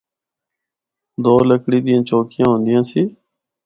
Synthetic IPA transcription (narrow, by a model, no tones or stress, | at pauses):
d̪oːləkʰɽiːd̪ijãːt͡ʃoːkɪjãːɦõːnd̪ɪjãːsiː